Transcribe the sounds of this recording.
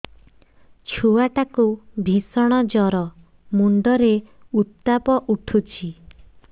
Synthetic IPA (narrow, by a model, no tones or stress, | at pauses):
t͡ʃʰuwaʈakubʱisɔɽ̃ɔd͡ʒɔɾɔ | muɳɖɔɾeut̪ːapɔʔuʈʰut͡ʃʰi